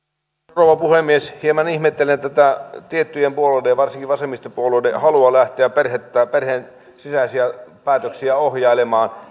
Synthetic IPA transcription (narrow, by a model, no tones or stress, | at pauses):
roʋɑpuhemːˑieshiemɑnihmet̪ːelent̪æt̪æt̪iet̪ːyjempuolodeʋɑrsiŋkiʋɑsemist̪epuoluidehɑluɑlæht̪ˑeæperhet̪ːæːperhen | sisæsiæpæːt̪øksiæohjɑilemɑːn